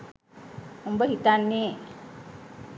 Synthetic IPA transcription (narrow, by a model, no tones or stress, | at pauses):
umbəɦit̪anːe